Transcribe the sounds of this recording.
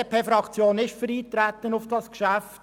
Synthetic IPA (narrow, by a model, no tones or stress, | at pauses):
pʰeːfɾɑkt͡sjoːnɪʃfəɾiːt̪ɾæt̪ənʊfd̥ɑskʃæft